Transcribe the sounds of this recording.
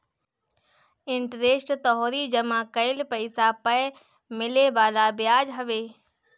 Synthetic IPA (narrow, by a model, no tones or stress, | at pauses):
ɪɳʈɾeːʃʈt̪ɔɦɔɾid͡ʒɐmãːkɐɪlpɐɪsapɐj | mɪleʋaːlabɪjaːd͡ʒɦɐʋeː